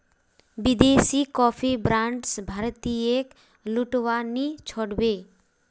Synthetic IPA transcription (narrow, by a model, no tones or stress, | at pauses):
bid̪eːsikɔːpʰibɾãːɳɖsbʱaɾt̪iek | luʈʋanit͡ʃʰoɽbe